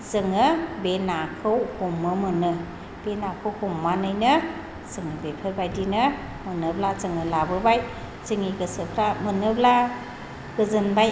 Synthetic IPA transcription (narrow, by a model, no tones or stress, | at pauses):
zɯŋɯbenakʰɯwhumːɯmɯnɯ | b̥enakʰɯwkumːanɯjnɯ | zɯŋɯbepʰɯɾbajdinɯ | mɯnɯblazɯŋɯlabɯbaj | zɯŋiɡɯsɯkʰɾamɯnɯbla | ɡ̥ɯzɯnbaj